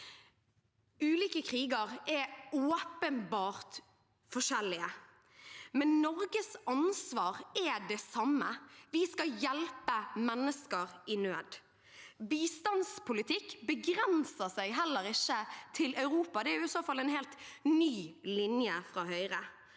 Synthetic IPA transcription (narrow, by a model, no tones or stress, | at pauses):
ʉːliːkəkʰʁiːɡəʁɛoːpənbɑːɾt̪ | fɔʂɛlːɪə | mɛnnɔɾɡəsɑnsʋɑːʁɛd̪ɛsɑmːəʋɪskɑjɛlpəmɛnːəskəʁɪnøːd̪ | biːst̪ɑnspʰʊlɪt̪ʰɪkːbəɡɾɛnsəsæɪɦɛlːəɾɪçːət̪ʰɪlɑʉʁuːpɑd̪ɛæɾjʊɪsoːfɑlːɛɪnheːlt̪nyːlɪnjəfɾɑːhœʏʁə